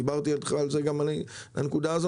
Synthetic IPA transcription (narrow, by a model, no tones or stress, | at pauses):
ibaʁt̪ialχaːlzeɡamani | la̰nekud̪aːzo